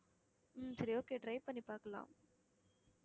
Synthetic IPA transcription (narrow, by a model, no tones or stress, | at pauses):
m̩sɐɾioːkeːɖɾɐjpɐnipaːkɐla̰ːm